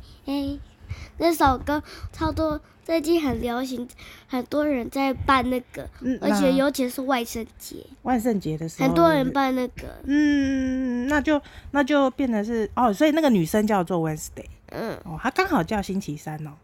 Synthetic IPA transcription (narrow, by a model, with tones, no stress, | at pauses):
e˥˩ɪna˥˩ʂɑ˨˩ʊkɤ˥t͡sʰɑ˥ʊt̪wɔ˥ | t͡sa˥˧ɪt͡ɕi˥˩xə˨˩nljɑ˧˥ʊɕ̬i˧˥ŋxə˨˩nt̪wɔ˥ɻə˧˥nt͡sa˥˧ɪpa˥˧nna˥˩ɡə̰˩n̩˥˨ə˞˧˥t͡ɕʰjɛ˨˩jo˧˥ʊt͡ɕʰi˧˥ʂɻ̩˥˧wa˥˧ɪʂə˥˩ŋt͡ɕjɛ̰˧˥wa˥˧ɪʂ̬ə˥˩nt͡ɕjɛ˧˦d̪ə˨ʂɻ̩˧ə˨˩n˧t̪wɔ˦ɻə˧˥npa˥˧nna˥˩ɡə̰˩n̩˥˩ | na˥˧t͡ɕjo˥˧ʊna˥˧t͡ɕjo˥˧ʊpjɛ˥˩nd̪ə˩ʂɻ̩˥˩ɔ˥˨swɔ˧˥i˨˩na˥˩ɡə˩ny˨˩ʂə˦˥ŋt͡ɕjɑ˥˧ʊt͡swɔ˥˨wɛ˦nst̪e˥˩ɪn̩˥˩ɔ˥˧˩tʰa˥kɑ˥ŋxɑ˨˩ʊt͡ɕjɑ˥˧ʊɕi˥nt͡ɕʰi˧˥sa˦nɔ˨˩